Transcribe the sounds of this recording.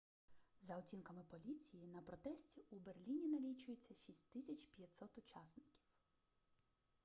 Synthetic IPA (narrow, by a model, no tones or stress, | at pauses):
zɐɔtʲinkɐmɪpɔlʲit͡sʲijinɐpɾɔt̪ɛsʲtʲiuberlʲinʲinɐlʲit͡ʃʊjet͡sʲːɐʃʲisʲtʲt̪ɪsʲɐt͡ʃpʲjɐt̪ʲsɔt̪ʊt͡ʃɑsnɪkʲi̥w